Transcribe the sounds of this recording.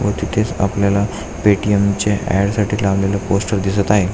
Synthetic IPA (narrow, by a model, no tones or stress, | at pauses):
ʋət̪it̪ʰet͡sa̰pljala | peʈiemt͡ɕeʔɛ̰ɽsaʈiːlaʋljalaposʈəɾd̪isət̪aɦe